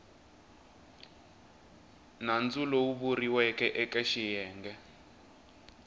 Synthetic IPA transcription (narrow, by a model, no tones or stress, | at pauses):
nand͡zulɔuβuriwɛkʼɛʔɛkɛʃijɛːŋɡɛ